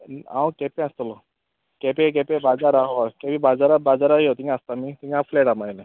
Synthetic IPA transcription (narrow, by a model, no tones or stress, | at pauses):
ã̰wkepẽast̪olɔ | kɛpek̬ɛpebad͡zaɾaɦoakɛpibad͡zaɾabad͡zaɾaɦiɦot̪iŋaast̪amit̪iŋãfleʈamale